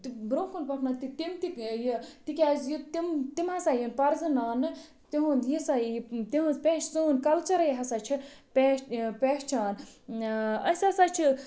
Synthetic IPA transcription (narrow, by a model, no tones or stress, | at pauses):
t̪ibɾõːkʰunpɐkʰnat̪it̪imt̪ijit̪ikʲaːzjit̪imt̪imhɐsaːjinpɐɾzɐnaːnːɨ | t̪iɦũnd̪jisajjt̪iɦũnzpʲeːʃsuːnkɐlt͡ʃɐɾɐjɦɐsat͡ʃʰipepeːʃt͡ʃʰaːn | ɐsʲasaːt͡ʃʰi